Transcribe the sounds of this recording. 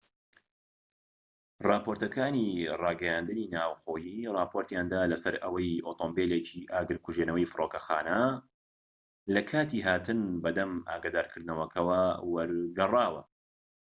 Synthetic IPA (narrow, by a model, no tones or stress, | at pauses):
rɑːpʰoɾt̪ɐkʰaːnirɑːɡɐjaːnd̪ɨniːnaːwxoːjirˤɑːpʰoɾt̪jaːnd̪aːlɐsɐɾɐ̰wɐjoːt̪ʰoːmbeːlet͡ʃʰiʔaːɡɨɾkʰuʒenɐwɐjfɨɾoːkɐxa̰ːnɐ | lɐkʰaːt̪iːɦaːt̪ɨnbɐd̪ɐma̰ːɡaːd̪aːɾkʰɨɾd̪nɐwɐkʰɐwɐwɐɾɡɐrˤɑːwɐ